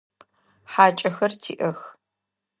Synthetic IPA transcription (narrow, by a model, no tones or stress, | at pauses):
ħaːt͡ʃʼɐxɐrtʰiːʔɐx